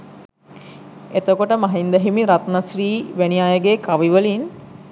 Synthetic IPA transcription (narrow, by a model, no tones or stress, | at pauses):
et̪əkoʈəmaɦind̪əɦimiɾat̪nasɾiːʋæniaːjəɡekaʋiʋəlin